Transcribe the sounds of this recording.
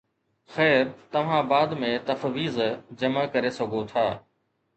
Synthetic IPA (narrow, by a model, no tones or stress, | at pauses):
xɛːɾt̪ɐʋ̤ãbaːd̪mẽt̪ɐfʋiːzd͡ʑɐmakɐɾesɐɡʱot̪ʰaː